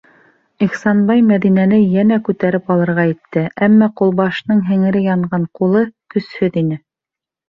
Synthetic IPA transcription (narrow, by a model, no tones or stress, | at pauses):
iχsɑnbɑjmæðinænɘjænækʉt̪æɾɘpɑlˠɤ̆ɾʁɑjĭt̪ːɘʔæmːæqulˠbɑʃnɤɴɦɘ̆ŋɘ̆ɾɘjɑɴɢɑɴqulˠɤkɵ̆shɵðinɘ